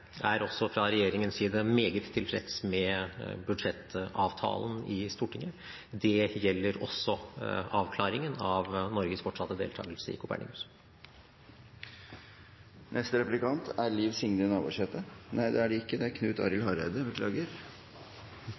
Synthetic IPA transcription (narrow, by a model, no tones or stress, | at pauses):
ʔæɾɔsːɔfɾɑɾɛjeːɾɪŋənsiːd̪əmeːɡət̪ʰːɪlfɾɛ̰t̪smɛbʉd̪ʂɛt̪ːɑːʋt̪ʰɑ̰ːlənɪst̪uːʈʰɪŋːə | d̪ɛjɛlːəɾɔ̰sːɔɑːʋkʰlɑːɾɪŋənɑʋnɔɾɡəsfɔʈʂɑt̪ːəd̪ḛːlt̪ʰɑ̰ːɡəlsəɪ̰kʰʊpʰæ̰ɳɪ̰ŋʉs | nʔɛst̪əɾɛplɪkɑnt̪ʰæɾliːʋsɪŋnəənɑːbṵʂheːt̪ənʔæɪd̪ɛæɖɛɪkːəd̪ɛæɾkʰnʉːt̪ɑ̰ːɾɪlɦɑɾæɪd̪əbəkʰlɑ̰ːɡəɾ